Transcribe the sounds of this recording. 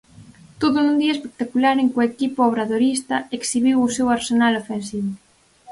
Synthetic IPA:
t̪oðʊnũnd̪iɐespek̚t̪akulaɾeŋkʊekipʊoβ̞ɾaðoɾist̪ɐeksiβiwʊsewaɾsenalofensiβʊ

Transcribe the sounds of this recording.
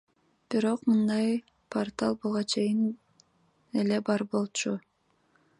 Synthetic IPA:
b̥iɾo̞qmɯnd̪ɑj | pʰort̪alˠbuʁɑt͡ʃʰe̞jɪn | e̞le̞bɑɾbo̞lˠt͡ʃu

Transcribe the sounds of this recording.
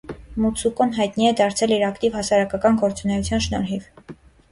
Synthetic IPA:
mut͡sʰukɔnɦɑjt̪niɛd̪ɑɾt͡sʰɛliɾɑkt̪ivɦɑsɑɾɑkɑkɑnɡɔɾt͡sunɛut͡sʰjɑnʃnɔɾɦiv

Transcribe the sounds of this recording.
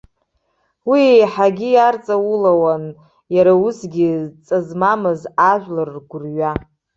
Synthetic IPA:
wijħaɡʲijart͡sʼawulawan | jaɾausɡʲit͡sʼazmamɨzaʒʷᶣlɨrːɡʷʊrɥa

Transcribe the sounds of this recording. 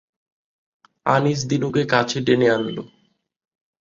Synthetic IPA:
anis̬d̪inokekat͡ɕʰeʈeneanlo̰

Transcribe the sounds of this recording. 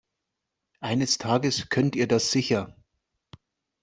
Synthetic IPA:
ʔaɪnəstʰaːɡəskʰœntiːɐdasz̥ɪçɐ

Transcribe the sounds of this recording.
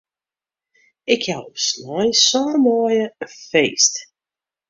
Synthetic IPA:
ɪkʰjawslɔjsɔːrmɔːjəəfeːst

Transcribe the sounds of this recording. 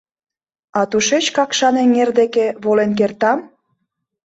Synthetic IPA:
ɑt̪uʃet͡ɕkɑkʃɑneŋerd̪ekeβolenk̬ert̪ɑm

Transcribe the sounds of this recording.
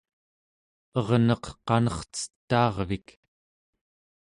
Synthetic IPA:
ʌʁnʌqqɑnʌχt͡sə̥t̪ːɑːʁvik

